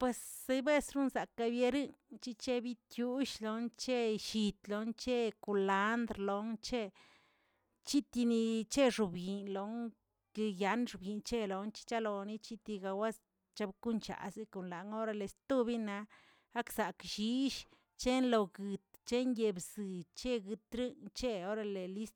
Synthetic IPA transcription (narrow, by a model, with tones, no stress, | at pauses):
pwe˨˧sːe˧jbe˦sɾu˦nza˨ka˧bje˧ɾɨ˦ŋt͡ʃi˦˧t͡ʃe˦bi˦t̪ju˧˦ʃlo˧˦nt͡ʃe˦ʃi˧t̪lo˧˦nt͡ʃe˦ku˨la˨˦nd̪ɾlo˨˦ŋt͡ʃe˦ | t͡ʃi˦t̪i˧ni˧t͡ʃe˦ʐu˨bɡi˨nlo˨˦ŋ | ke˧ja˨˦nʂu˨bji˨nt͡ʃe˦lo˨nt͡ʃi̥˦t͡ʃa˦lo˨˧ni˦t͡ʃi˦t̪i˧ɡa˧wa˦s | t͡ʃa˧bku˦nt͡ʃa̰˨zi˧ko˨nla˨ŋo˦ɾa˧le˨st̪u˦bi˦na˧ | a˦ksa˨kʃi˧˦ʃ | t͡ʃe˦nlo˨ɡɨ˨t̪t͡ʃe˦ŋje˧bz̥ɨ˨t͡ʃe˦ɡɨ˧t̪ɾɨ˦nt͡ʃe˦o˦ɾa˧le˨li˦st̪